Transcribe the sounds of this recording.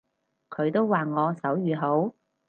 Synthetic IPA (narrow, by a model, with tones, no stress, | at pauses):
kʰɵ˨˧ɥt̪o˥wwaː˨ŋɔː˨˧sɐ˨˥wjyː˨ɦo˨˥w